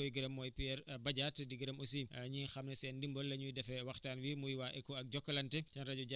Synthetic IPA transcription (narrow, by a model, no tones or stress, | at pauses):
ɔɡiɾɐmːɔːjpiɛɾbɐɟaːtdiɡiɾɐmosiɲiːxɐmnɛsɛːndimbɔlːɐɲujdɛfɛwɐxtaːnwimujwaːʔɛkːɔɐk̚ɟɔkːɐlɐntɛtɛnɾɐɟɔɟa